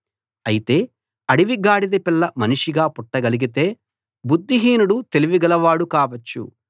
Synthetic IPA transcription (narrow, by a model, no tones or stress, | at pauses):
ɐjit̪e̞ː | ɐɽiʋiɡaːɽid̪ɐpilːɐmɐniʂiɡaːpuʈːɐɡɐliɡit̪e̞ː | bud̪ʱːiɦiːnuɽut̪e̞liʋiɡɐlɐʋaːɽukaːʋɐt͡ʃːṵ